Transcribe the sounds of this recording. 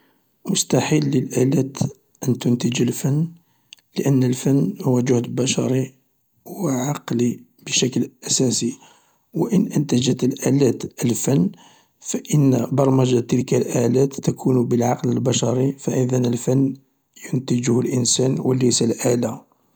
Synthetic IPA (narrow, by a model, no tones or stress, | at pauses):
mʊst̪ɑħilːəlʔælæt̪ | ʔənt̪ʊnt̪əd͡ʒəlfənː | ləʔənːəlfənːhʊwːæʒʊhd̪bæʃɑɾˤi | wəʕɑqli | b̥əʃæklʔæsæsi | wəʔənʔənt̪æd͡ʒət̪əlʔælæt̪ʔəlfənː | fæʔənːbɑɾˤməʒat̪əlkælʔælæt̪ːækʰunbəlʕɑqləlbæʃɑɾˤifæʔəðənəlfənː | jʊnt̪əd͡ʒʊhlʔənsænwələjsəlʔæla